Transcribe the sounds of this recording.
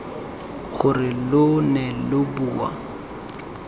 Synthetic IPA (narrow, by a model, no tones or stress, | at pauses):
ɣʊrɪlʊnɛlʊbuːwa̰